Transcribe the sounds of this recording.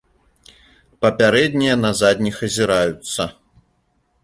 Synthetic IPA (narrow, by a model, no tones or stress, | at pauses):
pɐpʲaɾɛd̪ʲnʲijɐnɐzad̪ʲnʲixɐzʲiɾajut̪sːɐ